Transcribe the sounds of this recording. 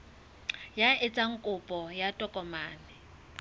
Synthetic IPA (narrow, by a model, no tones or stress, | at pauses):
jaɪt͡sʼaŋ̩kʼʊpʼɔjatʼɔkʼɔmaːnɪ